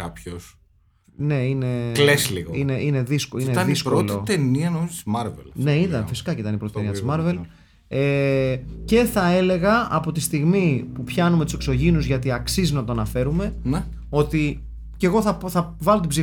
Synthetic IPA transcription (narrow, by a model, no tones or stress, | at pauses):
ɐpços | ne̞ineklesliɣoine̞ʔine̞ðiskoineɐnðispɾooliot̪eniɐnomizot̪izmɐɾvḛlnne̞iðɐnfisi̥kɐcit̪ɐnipɾot̪it̪eniɐt̪izmɐɾve̞l | e | ce̞θɐe̞le̞ɣɐɐpo̞t̪ist̪iɣmipupçɐnume̞t̪u̥sekso̞ʝinuzʝɐt̪iɐksiznɐt̪o̞ɐnɐfe̞ɾume̞n | o̞t̪i | ce̞ɣo̞θɐθɐvɐlo̞t̪ibzi